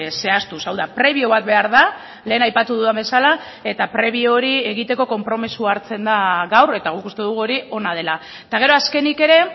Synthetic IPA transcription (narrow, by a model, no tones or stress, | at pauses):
se̞ast̪usawðapɾe̞βioβ̞at̪̚be̞aɾða | le̞ːnajpat̪uðuðambe̞sala | e̞t̪apɾe̞βiooɾie̞ɣ̞it̪e̞ko̞ko̞mpɾo̞misuaɾt͡se̞nd̪aɣawre̞t̪aɣ̞ukust̪e̞ðuɣuo̞ɾiʔo̞naðe̞la | t̪aɣ̞e̞ɾo̞aske̞nike̞ɾe̞